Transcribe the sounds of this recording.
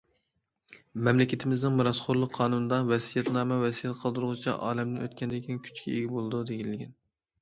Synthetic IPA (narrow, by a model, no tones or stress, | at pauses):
mɛmlɪkʲɪt̪ʰɪmɪznɪŋmɨɾɑsχʰoɾlˠʊqʰːɑːnunɨd̪ɑvɛsijɛt̪nɑːmɛvɛsijɛt̪qʰəlˠd̪uɾʁʊt͡ʃʰɛ̰ʔɑːlɛmd̪ɪnøt̪̚kʲɛnd̪ɪkʲʰinɪŋkʲʰy̥t͡ʃkʲʰɛ̰eɡʲibolˠɨd̪ud̪eɡʲinlːɪɡʲɛn